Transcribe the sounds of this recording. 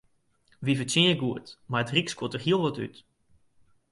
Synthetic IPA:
ʋivətinəɡuətmaətrikskotərɦiəlˠʋɔty̰t

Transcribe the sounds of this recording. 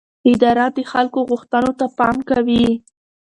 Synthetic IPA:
ɪd̪ɑɾad̪əxalkoɣuxt̪ənot̪apɑmkawi

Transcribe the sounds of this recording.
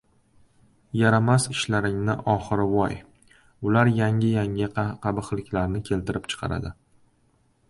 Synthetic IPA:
jaɾamasɪʃlaɾɪŋnɪ̰ʔɒχɨɾɪvɒj | ʊlaɾjaŋɪjaŋʲɪqʰɑbɨχlɪkʲlaɾnɪkʲʰe̞lt̪ʰɪɾɪpt͡ʃʰɨ̥qʰɑ̰ɾa̰d̪ɪ

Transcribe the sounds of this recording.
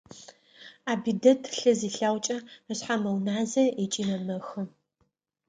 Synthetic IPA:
aːbidɐtʰɬɨziːɬaːwt͡ʃʼɐəɕħamɐwnaːzɐet͡ʃʼinɐmɐxɨ

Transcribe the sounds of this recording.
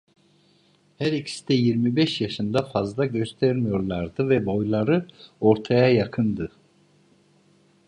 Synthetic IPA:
hæɾicʰi̥sd̪ɛjiɾmibɛʃjaʃɯnd̪afazlˠaɟøst̪ʰæɾmijo̞ɾlˠaɾd̪ɯvɛbo̞jlˠaɾɯo̞ɾt̪ʰajajakʰɯnd̪ɯ

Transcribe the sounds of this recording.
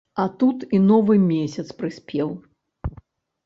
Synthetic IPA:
ɐt̪ut̪inɔvɨmʲesʲɐt̪spɾɨsʲpʲɛw

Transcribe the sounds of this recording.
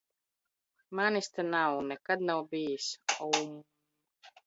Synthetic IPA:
manist̪ənawnɛkad̪̚nawbeːsɔwm

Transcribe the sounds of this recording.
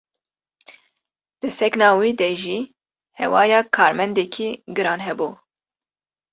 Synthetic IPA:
d̪̥ɨsɛknɑːwiːd̪ɛʒiː | hɛ̰wɑːjɑːkʰɑːɾmɛnd̪ɛkʰiːɡɨɾɑːnɦɛbuː

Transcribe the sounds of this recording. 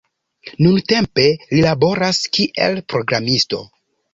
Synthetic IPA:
nunte̞mpe̞lilabo̞ɾaskiʔe̞̰lpɾo̞ɡɾamisto̞̰

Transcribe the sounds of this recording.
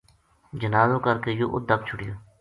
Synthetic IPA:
d͡ʒənaːzõːkəɾkeːjoːʔʊ̰d̪ək̚t͡ʃʰʊɽɪjoː

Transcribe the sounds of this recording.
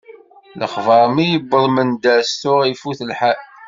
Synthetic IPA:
lə̰χvɑɾˤmijəbːəðˤmənd̪æstʊʁifuθəlħaʔ

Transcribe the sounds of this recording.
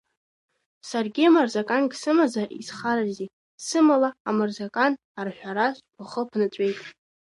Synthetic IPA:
sarɡʲiamarzakʼanɡsɨmazaʔisχaɾazi | sɨmalaːmarzakʼan | arʃʷᶣaɾaʃʷpʰʷʊχəpʰnɨt͡ɕʷʼe̞jtʼ

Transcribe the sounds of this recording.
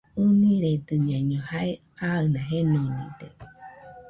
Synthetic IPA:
ɨnĩɾed̪ɨɲãɲõhae | aɨnãɦenonḭ̃d̪e

